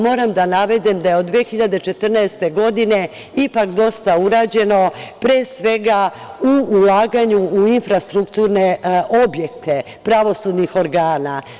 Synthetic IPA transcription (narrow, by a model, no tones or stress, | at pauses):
mo̞ːɾamd̪anaʋe̞d̪emd̪aje̞od̪ːʋexiʎad̪e̞t͡ʃe̞t̪r̩naest̪e̞ɡo̞d̪ine̞ | ipakd̪o̞st̪auɾaːd͡ʑe̞no̞pɾesʋe̞ɡauulˠaːɡaɲuuinfɾast̪ɾukt̪uːɾneo̞bje̞kt̪ʰe | pɾaʋo̞sud̪nixo̞ɾɡaːna